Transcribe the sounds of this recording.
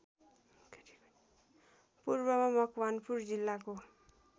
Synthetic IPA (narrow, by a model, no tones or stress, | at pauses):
purbʌmamʌkʰwanpuɾd͡zilːako